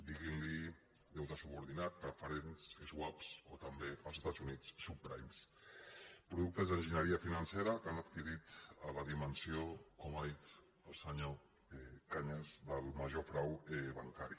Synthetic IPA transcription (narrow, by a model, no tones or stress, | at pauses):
d̪iɣinli | ðewt̪asuβuɾð̞inat̪̚pɾfəɾensezwapsot̪ambealsest̪azunit͡sːupɾa̰jms | pɾuðuk̚t̪əzðənʒinəɾiafinanseɾakanat̪kiɾit̪alaðimənsjiokomajt̪ | əlˠsaɲo | ekaɲəzðəlˠmaʒofɾaweβa̰ŋkaɾi